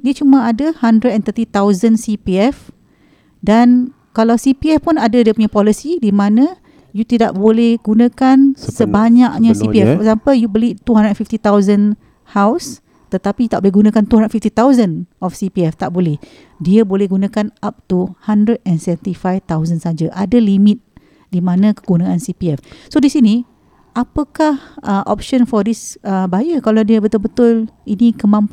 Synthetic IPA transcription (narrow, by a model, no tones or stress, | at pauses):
diət͡ʃumãadəhandɾədɛnt̪ət̪it̪awzənsipiɛf | dan | kalawsipiɛfpunadadiəpuɲapɔlisidimãnə̃ | jut̪idaʔ̚bolɛhɡunãkansəbaɲakɲə̃sipiɛfasapəjubəlit̪uɦãndɾədɛnfift̪it̪awzən | haws | t̪ət̪apijut̪aʔ̚bolɛɦɡunãkant̪uhandənfift̪it̪awzənɔfsipiɛft̪aʔbolɛh | diəbolɛhɡunãkanap̚t̪uhandɾəd̚ɛnsɛvənt̪ifajft̪awzənsad͡ʒaʔadalimɪt̪̚ | dimãnãkə̥ɡunãʔansipiɛfsodisini | ʔapəkahəʔɔ̰p̚ʃənfɔdisəbaajəkalawdiəbət̪ʊlbət̪ʊlinikəmãmp